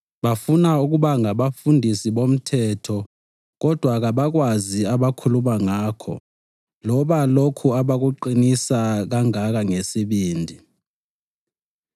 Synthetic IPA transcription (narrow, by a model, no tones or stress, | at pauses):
ɓafunauk̬uɓaŋaɓafundʱisiɓom̩tʰɛtʰɔ | k̬ɔd̥ʱwak̬aɓak̬waziaɓakʰulumaŋaːkʰɔ̰ | lɔɓalokʰuaɓak̬uǃinisak̬aŋak̬aŋesiɓiːndʱi